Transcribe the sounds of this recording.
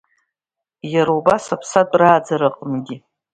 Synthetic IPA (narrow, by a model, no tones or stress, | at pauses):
jaɾaubasapʰsatʼraːd͡zaɾɨqʼmɡʲi